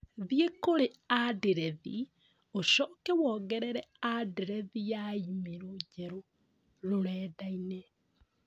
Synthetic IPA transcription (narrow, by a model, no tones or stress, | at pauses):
ðiekoɾeadeɾɛðḭ | oʃɔːkɛwɔːɣɛɾɛɾɛadeɾɛðijaimeɾoɟɛɾo | ɾoɾɛːdainɛ